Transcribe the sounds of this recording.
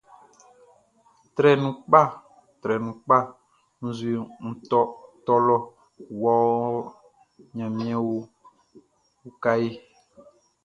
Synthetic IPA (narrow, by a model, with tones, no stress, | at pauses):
t̪ɾɛ˨nũ˨k͡pa˦˨ | t̪ɾɛ˨nũ˨k͡pa˦ | nũ˦zu˨˦e˨ŋ̩˨t̪ɔ˦t̪ɔ˦lɔ˦ | wɔ˦ | ɲã˨mĩ˦ã˦wo˦ | wo˦ka˦ji˦